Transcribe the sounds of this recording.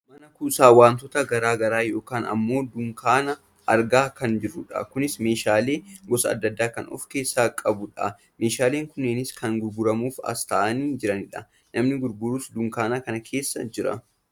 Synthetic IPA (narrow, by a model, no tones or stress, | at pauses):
mɐnɐkuːsaːwaːnt̪ɔt̪ɐɡɐɾaːɡɐɾaːjo̞ːkaːnɐ̰mːo̞ːd̪ʊŋkaːnɐ | ɐɾɡaːkɐnd͡ʒɪrːʊᶑɐ̰kʊnɪsme̞ːʃaːle̞ːɡɔsɐɐ̰d̪ːɐd̪ːaːkɐnɔ̰fke̞ːsːaːkʼɐbʊᶑɐ | me̞ːʃaːle̞ːŋkʊnːeːnɪskɐŋɡʊɾɡʊɾɐmuːfɐ̰st̪aːʔɐniːd͡ʒɪɾɐnɪᶑɐ | nɐmnɪɡʊɾɡʊɾuːsd̪ʊŋkaːnaːkɐnɐkʰe̞ːsːɐ̰d͡ʒɪɾɐ̰